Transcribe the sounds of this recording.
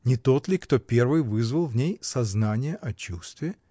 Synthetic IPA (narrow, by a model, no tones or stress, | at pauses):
nʲɪt̪o̞t̪lʲɪkt̪o̞pʲe̞rvɨjvɨzvəlˠvnʲejsɐznanʲɪjəʔɐt͡ɕust̪vʲɪ